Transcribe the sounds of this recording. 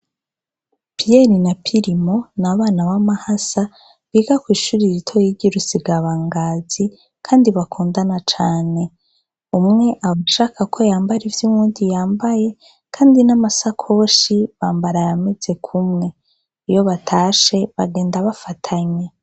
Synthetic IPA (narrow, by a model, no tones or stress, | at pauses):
pijeɾinapʰiɾimo̞naβaːnaβamahasa | βiɡakwiːʃuɾiɾitʰojiɟiɾusiɡaβaːŋɡaːz̥i | kʰaːndiβakʰuːndanat͡ʃaːne̞ | umŋe̞ʔaβaʃaːkakʰo̞jaːmbaɾivjumuːndijaːmbaje̞ | kʰaːndinamasakʰo̞ʃiβaːmbaɾajame̞z̥e̞kʰumŋe̞ | ijo̞βatʰaːʃe̞βaɡe̞ːndaβafatʰaɲe